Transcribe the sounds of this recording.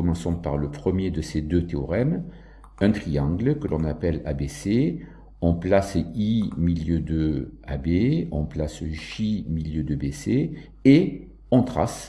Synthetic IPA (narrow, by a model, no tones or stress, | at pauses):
ɔmɑ̃sɔ̃paʁləpχəmjed̪əsed̪øt̪eɔʁɛm | ɛ̃t̪χiɑ̃ɡləkəlɔ̃napɛla̰bese | ɔ̃plasimiljød̪əabeɔ̰̃plasʒimiljød̪əbese | e | ɔ̃t̪χa̰s